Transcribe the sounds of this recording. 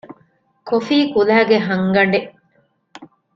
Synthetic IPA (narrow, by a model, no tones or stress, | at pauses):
kofiːkulæːɡeɦɐŋɡɐɳɖe